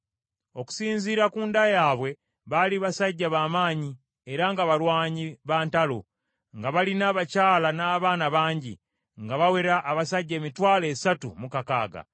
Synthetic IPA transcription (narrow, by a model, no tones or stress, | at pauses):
o̞ku̥siːnziːɾakuːndajaːβwe̞ | βaliβasaɟːaβaːmaːɲi | eɾaŋɡaβalwaːɲiβaːntalo̞̰ | ŋɡaβalinaːβacaːlanaːβaːnaβaːɲɟḭ | ŋɡaβawe̞ɾaʔːβasaɟːe̞ːmitwaːle̞ːsatumukaka̰ːɡa̰